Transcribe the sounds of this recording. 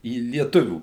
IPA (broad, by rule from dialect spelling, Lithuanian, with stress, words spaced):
iː lʲiɛˈtʊʋʲuː